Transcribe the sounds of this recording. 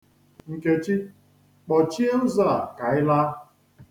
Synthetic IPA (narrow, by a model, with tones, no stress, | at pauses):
ŋ̩˨ke˦t͡ʃi˦ | k͡pɔ˨t͡ʃi˦e˦n̩˦za˦˨a˨ka˨ɪ˦la˦